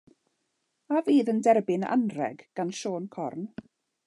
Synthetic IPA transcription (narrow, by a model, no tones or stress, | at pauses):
aviːðəndɛrbɪna̰nrɛ̰ɡɡ̥anʃoːnkʰɔrn